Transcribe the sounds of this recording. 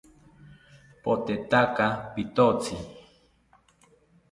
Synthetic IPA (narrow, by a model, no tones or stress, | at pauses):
pot̪et̪akapit̪ot͡sʰi